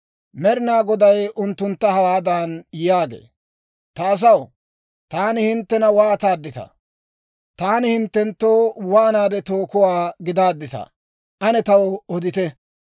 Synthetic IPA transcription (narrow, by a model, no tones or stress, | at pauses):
mɛɾɪnaːɡɔd̪ɐjʊnt̪ːʊnt̪ːɐhɐwaːd̪anjaːɡḛː | t̪ɐːs̬ɐw | t̪aːnɪhɪnt̪ːɛnɐwaːt̪aːd̪ːɪt̪ɐ̰ | t̪aːnɪhɪnt̪ːɛnt̪ːoːwaːnaːd̪ɛt̪oːkʊwaːɡɪd̪aːd̪ːɪt̪ɐ̰ | ʔɐnɛt̪ɐwɔd̪ɪt̪ɛ